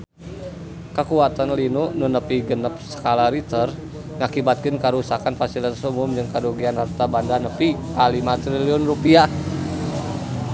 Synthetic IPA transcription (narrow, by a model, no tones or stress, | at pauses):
kəkuat̪anlinuʔnunəpiɡənəp̚sə̥kalaɾit̪ər | ŋakibat̪̚kɪnkəɾusakanfasiləsumʊmd͡ʒɨŋkadoɡianart̪abandanəpikalimat̪ɾiliʊnrupia